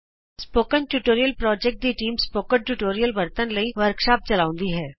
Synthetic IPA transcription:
spoːkə̃nʈuːʈoːɾijəlpɾɔːd͡ʒɛk̚ʈ̚d̪iʈiːmspoːkəɳʈuːʈoːɾijəlʋɐɾt̪ənlɐĩʋəɾkʃaːp̚t͡ʃɐlaːʊ̃nd̪iɦɛː

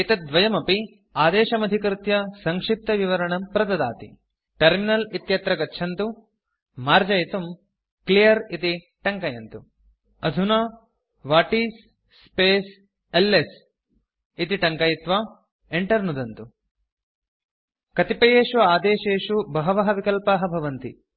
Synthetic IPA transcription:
it̪ɐd̪ʋɐjɐmɐpi | aːd̪eːʃɐmɐd̪ʱikɾt̪jɐsɐŋkʂip̚t̪ɐʋiʋɐɾɐɳɐmpɾɐd̪ɐd̪a̰ːt̪ḭ | ʈɐɾminɐlit̪jɐt̪ɾɐɡɐtːʃʰɐnt̪u | maːɾd͡ʒɐjt̪um | klijɐɾit̪i | ʈɐŋkɐjɐnt̪u | ɐd̪ʱunaː | ʋaːʈiːsː | peːs | elːes | it̪iʈɐŋkɐjit̪ʋaː | eɳʈɐɾnud̪ɐnt̪u | kɐt̪ipɐjeːʃuaːd̪eːʃeːʃubɐɦɐʋɐɦɐʋikɐlpaːɦɐbʱɐʋɐnt̪ḭ

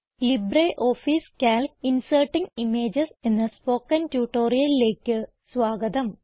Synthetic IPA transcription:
libɾeːʔo̞ːfiːskʲaːlinsɐːʈːiŋimeːd͡ʑɐse̞nːɐspo̞ːkːɐntjuːʈːo̞ːrijɐlile̞ːkʲːɨ | sʋaːɡɐd̪ɐm

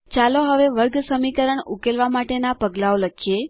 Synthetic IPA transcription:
t͡ʃaloɦəʋeʋəɾɡsəmikəɾəɳukelʋamaʈenapəɡlaoləkʰije

